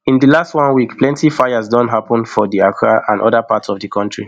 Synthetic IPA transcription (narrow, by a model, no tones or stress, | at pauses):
ĩndilastwɔ̃nwikplɛ̃ntifaɪazdɔ̃nɦapə̃nfɔdiakʰaʔãnʔɔðəpatsɔvdikʰɔ̃ntɹi